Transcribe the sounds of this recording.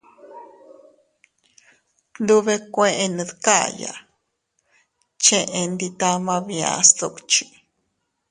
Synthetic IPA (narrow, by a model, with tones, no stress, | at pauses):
nd̪u˦βe˦kʷẽ˦ʔẽ˦˧nɨ̃˧ðka˦ja̰˨ | t͡ʃẽ˦ʔẽ˧nd̪i˧t̪a˦mã˧βi˨a̰˧st̪o˧˨kt͡ʃi̥˨